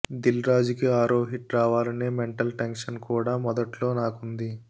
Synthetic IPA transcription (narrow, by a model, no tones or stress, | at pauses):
d̪ilɾaːd͡ʒikiaːɾoːɦiʈɾaːʋaːlɐneːmeɳʈɐlʈeŋkʂɐnkuːɽaːmɔd̪ɐʈlo̞ːnaːkund̪i